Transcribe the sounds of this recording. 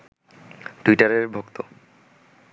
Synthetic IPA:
ʈuiʈaɾeɾbʱokt̪o

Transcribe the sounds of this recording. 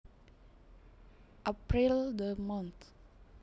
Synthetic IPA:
ʔapɾild̪əmɔ̃nt̪

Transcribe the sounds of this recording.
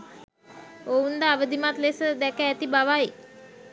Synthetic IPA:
ound̪əaʋəd̪imat̪lesəd̪ɛkəːt̪ibaʋai

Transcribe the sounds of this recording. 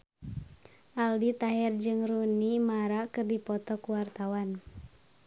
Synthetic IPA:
ʔaldit̪aɦɛrd͡ʒɨŋrunimaɾakɨrdipɔt̪ɔkuwart̪awan

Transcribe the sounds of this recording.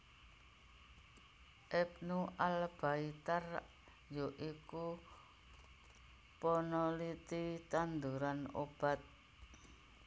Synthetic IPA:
ʔɛp̚nuʔalb̥ait̪ar | joʔiku | pɔnɔlit̪it̪and̪uɾano̰b̥a̤t̪̚

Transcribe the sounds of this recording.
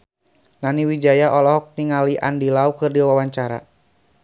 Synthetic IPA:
naniwid͡ʒajaʔɔlɔɦɔk̚niŋaliʔa̰ndilaukɨrdiawawaɲt͡ʃaɾa̰

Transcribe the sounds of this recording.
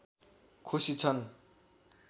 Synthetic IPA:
kʰusit͡sʰʌn

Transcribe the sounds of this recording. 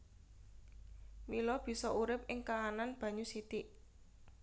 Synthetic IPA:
milɔb̥i̤sɔʔuɾɪp̚ʔɪŋkaːnanb̥ä̤ɲusit̪iʔ

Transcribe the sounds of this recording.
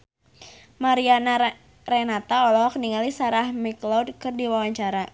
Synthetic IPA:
maɾiana | rɛnat̪aɔlɔɦɔkniŋalisaɾahmiklɔdkɨrdiwawaɲt͡ʃaɾa

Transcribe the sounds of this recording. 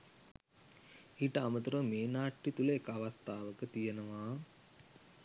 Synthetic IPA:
iʈəamɐt̪uɾɐmeːnaːʈːit̪ulɐekːaʋɐst̪ʰaːʋəkət̪ijɐnɐʋaː

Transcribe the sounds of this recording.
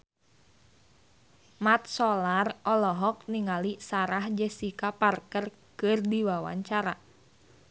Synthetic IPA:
mat̪̚sɔlarɔlɔɦɔk̚niŋalisaɾahd͡ʒɛsikaparkər | kɨrdiwawa̰ɲt͡ʃaɾa

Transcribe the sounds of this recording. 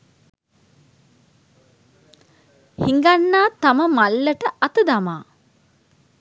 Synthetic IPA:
hiŋɡanːaːt̪aməmalːəʈəʔɐt̪əd̪amaː

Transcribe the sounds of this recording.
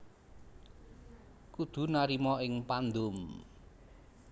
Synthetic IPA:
kud̪̥ṳnaɾimɔɪŋpand̪ʊm

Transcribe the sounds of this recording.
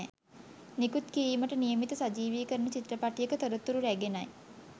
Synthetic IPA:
nikut̪kiɾiːməʈənijəmit̪əsad͡ʒiːʋiːkəɾnət͡ɕit̪ɾəpaʈijəkət̪oɾət̪ːuɾuɾæɡenaj

